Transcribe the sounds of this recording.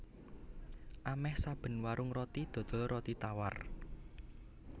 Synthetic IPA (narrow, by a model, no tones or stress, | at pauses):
ʔamɛhsab̥ə̤nwaɾʊŋɾɔt̪id̪̥ɔ̤d̪̥ɔ̤rʔɔt̪it̪awar